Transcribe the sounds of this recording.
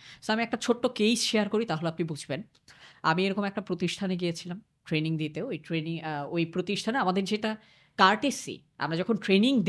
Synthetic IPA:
soamiɛk̚ʈat͡ɕʰoʈːokejsʃeaɾkoɾit̪aɦoleoapnibud͡ʑʱben | a̰mieɾɔkomɛk̚ʈapɾot̪iʃʈʰaneɡijet͡ɕʰilam | ʈɾeniŋd̪it̪eoojʈɾeniŋojpɾot̪iʃʈʰaneamad̪eɾd͡ʑeʈa | kaɾʈesḭ | a̰mɾad͡ʑɔkʰonʈɾeniŋd̪

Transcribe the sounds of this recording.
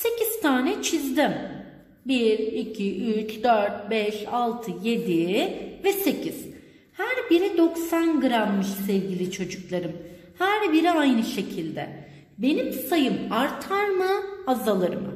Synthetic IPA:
se̞ciz̥t̪ʰaːnɛt͡ʃʰizd̪im | biɾicʰiʔyt͡ʃd̪øɾt̪̚bɛʃalˠt̪ʰɯje̞d̪ivɛse̞cʰiz̥ | hæɾbiɾid̪o̞ksanɡɯɾamːɯʃsɛvɟʲilʲit͡ʃʰo̞d͡ʒuklˠaɾɯm | hæɾbiɾiajnɯʃe̞cʰilʲd̪ɛ̰ | be̞nimsajɯmaɾt̪ʰaɾmɯazalˠaɾɯmɯ̰

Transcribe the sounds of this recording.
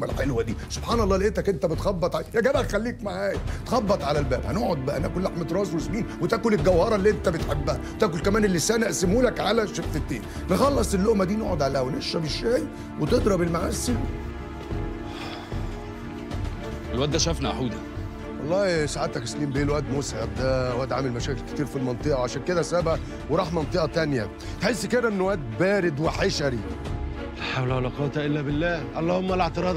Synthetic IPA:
mælħelwæd̪iːsob̥ħɑːnɑlˤːɑːleʔet̪ːækʔent̪æbet̪xɑbːɑt̪ˤʕajæɡæbæxælːiːkmaʕaːjæt̪xɑbːɑt̪ˤʕalælbæːbhænoʕod̪̚bæʔænæ̰kolaħmet̪ɾˤɑːswesmiːnwet̪æːkolelɡæwhɑɾˤɑlːiːʔent̪æbet̪ħebːæhæwt̪æːʔk̬olkæmæːnelːesæːnæʔsemuːlækʕalæʃekfet̪ːeːn | nexɑlːɑsˤelːoʔmæd̪iːno̰ʕod̪ʕalæːhæweneʃːæbeʃːæːj | wet̪ed̪ɾˤɑbelmaʕaːsel | ʔelwæʔd̪æʃæfnæʔa̰ħuːd̪æ | wɑlˤːɑːsaʕed̪t̪ækesliːmbeʔeːlwæʔd̪mosʕeb̚d̪æwæːʔd̪ʕamelmæʃæːkelke̥t̪iːɾfilmɑnt̪ˤeʔɑwʕaʃæːnked̪æsæbæʔ | weɾˤɑːħmɑnt̪ˤeʔɑt̪ænjæ | t̪ħesːkeɾːæʔenːwæːd̪bæːɾed̪weħeʃæɾi | læħawlæʕolɑqɑːt̪æʔelːæbelːæːʔɑlˤːɑːhomːæleʕt̪eɾˤɑːd̪

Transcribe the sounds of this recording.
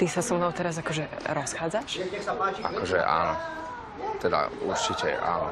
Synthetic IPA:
t̪isasɔmnɔʊt̪ɛɾazakɔʒɛɾɔsxaːd͡zaʃ | a̰kɔʒɛ̰ʔa̰ːnɔ | t̪ɛd̪a̰uɾt͡ʃicɛ̰ʔa̰ːnɔ

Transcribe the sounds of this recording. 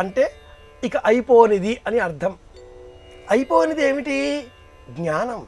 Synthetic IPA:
ɐɳʈe̞ː | ikɐʔɐjpoːnid̪iʔɐniɐɾd̪ʰʱɐm | ɐjpo̞ːnid̪e̞ːmiʈi | ɡɲaːnɐm

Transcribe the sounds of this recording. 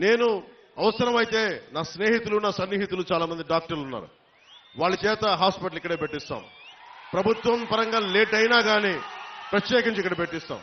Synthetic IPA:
ne̞ːnu | ɐʋɐsɐɾɐmɐjit̪e̞ːnaːsneːɦit̪ulunaːsɐnːiːɦit̪ulut͡ʃaːlaːmɐnd̪iɖaːk̚ʈɐɾlunːa̰ːɾṵ | ʋaːɭːɐt͡ʃɛːt̪ɐɦaːspiʈɐlikːɐɽe̞ːpeʈːist̪a̰ːmpɾɐbʱut̪ʋɐmpɐɾɐŋɡaːleːʈɐjnaːɡaːniːpɾɐt̪jɛːkiɲt͡ʃikːɐɽɐpeʈːist̪a̰ːm

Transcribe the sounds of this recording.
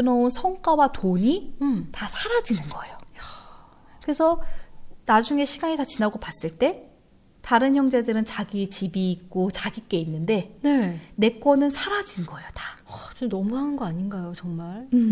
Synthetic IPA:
ɯnʌunsʰʌŋk͈wawatoɲitasʰaɾad͡ʑinɯnɡʌejo | kɯɾe̞sʰʌ | nad͡ʑuŋe̞ɕʰiɡaɲitat͡ɕinaɡopas͈ɯɭt͈e̞ | taɾɯnçjʌŋd͡ʑe̞dɯɾɯnt͡ɕaɡit͡ɕibiːk̚k͈ot͡ɕaɡik͈e̞inːɯnde̞nene̞k͈wʌnɯnsʰaɾad͡ʑinɡʌejotḁt͡ɕinʌmuɦanɯnɡʌaɲinɡajot͡ɕʌŋmaɭ

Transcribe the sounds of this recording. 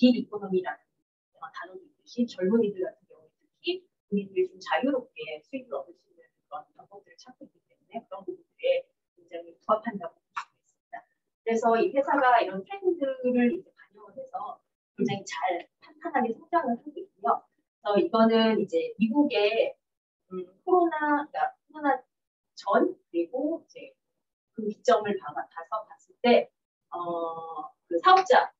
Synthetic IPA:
tiɾikʰonʌmiɾanɯn | ematanonidɯɕʰit͡ɕʌɭmoɲidɯɭɡatʰɯnɡjʌŋuetʰɯ̥kʰi | umindɯɾit͡ɕomt͡ɕajuɾop̚k͈e̞sʰuibɯʌdɯs͈uinɯnkɯɾʌnpaŋbʌk̚t͈ɯɾɯɭt͡ɕʰak͈̚oik͈it͈e̞mune̞kɯɾʌnmomindɯɾe | kweŋd͡ʑaŋituapʰandaɡokut͡ɕʌɡoes͈ɯmɲid̥a | kɯɾe̞sʰʌiɸwe̞sʰaɡaiɾʌnpʰɾendɯɾɯɾid͡ʑe̞kaɲʌŋone̞sʰʌ | kwe̞ŋd͡ʑaŋit͡ɕaɭpʰantʰanɦaɡe̞sʰʌŋd͡ʑaŋɯɭhanɡoik̚wujo | sʰʌiɡʌnɯnid͡ʑe̞miɡuɡe̞ | ɯkʰoɾonakakʰoɾona | t͡ɕʌnkɯɾiɡoid͡ʑe̞ | kɯki̥k̚t͡ɕ͈ʌmɯɭpabatʰasʰʌpas͈ɯɭt͈e̞ | ʌ | kɯsʰaʌp̚t͡ɕ͈a

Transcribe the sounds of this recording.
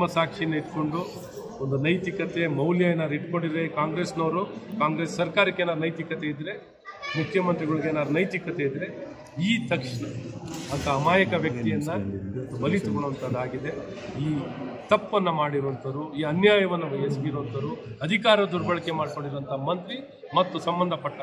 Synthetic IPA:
mɐsaːkʂiɐnːɐiʈ̪ko̞ɳɖu | ond̪unɐjt̪ikɐt̪emɐwljaːjɐnaːɾiʈko̞ɳɖiekaːŋɡɾe̞ːsnoːɾukaːŋɡɾeːsːɐɾkaːɾɐkːenaːɾunɐjt̪ikɐt̪eid̪ɾe̞ | mukʰjɐmɐnt̪ɾiɡɐɭuɡenaːɾunɐjt̪ikɐt̪eid̪ɾe̞ | iːt̪ɐkʂɐɳɐɐnt̪ʰɐːmaːjɐkɐʋjɐkt̪ijɐnːɐmɐt̪ːubɐlit̪ukɐɭʋɐnt̪ɐd̪aːɡid̪e̞ | iːt̪ɐpːɐnːɐmaːɽiɾoʋɐnt̪ʰɐɾuiːɐnjaːjɐʋɐnːɐʋɐɦesɡiɾoʋɐnt̪ɐɾu | ɐd̪ʱikaːɾɐɐd̪uɾbɐɭɐkemaːɖko̞ɳɖiɾʋɐnt̪ɐɦɐmɐnt̪ɾi | mɐt̪ːusɐmbɐnd̪ʱɐpɐʈːɐ

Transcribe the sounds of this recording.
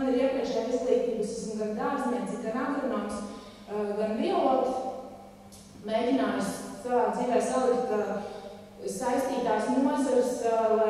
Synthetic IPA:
niɾiɛpɾiɛʃt̪aislˠiːt̪ʲiːbəssunɡand̪aːzmʲɛsiɡanaɡɾunaːks | ɡanviɛluɔt̪ | meːdʲinaːjssavaːsiɡʲajsalikt̪ka | sajst̪iːt̪aːsnuɔzaɾslˠa

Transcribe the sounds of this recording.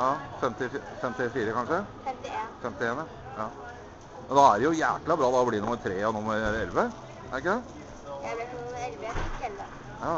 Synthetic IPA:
jɑːfɛmt̪ɪffɛmt̪ɪfiːɾəkʰɑnʂə | fɛmt̪ɪeːnɑ | ɑː | mɛnd̪ɑæɾjʊjæ̰ːklɑbɾɑːd̪ɑːɔbliːnʊmːəɾt̪ʰɾeːɔnʊmːəɾɾɛlʋə | ʔæɾɪkːəd̪ɛ | jɑ

